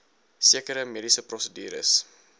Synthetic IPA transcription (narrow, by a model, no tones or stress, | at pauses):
siəkəɾəmedisəprɔsədy̰ːɾə̰s